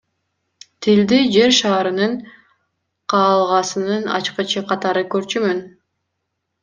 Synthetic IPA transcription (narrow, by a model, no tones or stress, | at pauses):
t̪ʰild̪id͡ʒe̞ɾʃɑːɾɯnɯɴ | qʰɑːlˠʁɑsɯnɯnɑ̰t͡ʃqɯt͡ʃʰɯqʰɑt̪ɑɾɯkøɾt͡ʃymyn